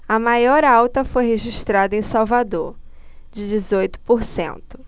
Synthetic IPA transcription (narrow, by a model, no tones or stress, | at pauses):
ɐmajɔɾawt̪ɐfojɦeʒiʃt̪ɾad̪ɐẽsawvad̪oɾd͡ʒɪd͡ʒizojt̪ʊ̥poɾsḛ̃nt̪ʊ̥